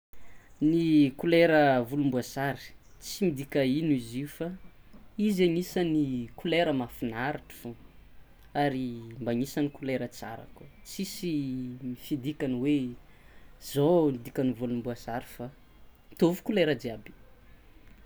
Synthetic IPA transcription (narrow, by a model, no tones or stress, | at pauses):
nikuleɾəvulumbuasaɾi̥t͡simid̪ikainiziufa | izaɲisənikuleɾəmafinaɾiʈ͡ʂi̥fo | aɾimbaɲisanikuleɾət͡sa̰ɾa̰kut͡sisimifid̪ikanwe | zoid̪ikʲanivulumbuasaɾi̥fa | t̪ovu̥kuleɾədiabi̥